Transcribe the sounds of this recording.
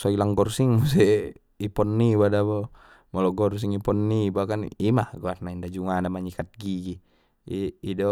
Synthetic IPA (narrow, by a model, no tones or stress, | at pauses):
sailaŋɡɔrsiŋmus̬ɛ | ipɔnːibadabɔ | mɔlɔɡɔrs̬iŋipɔnːibakanimaɡuarnaindad͡ʒuŋanamaɲikat̪̚ɡiɡi | iːdɔ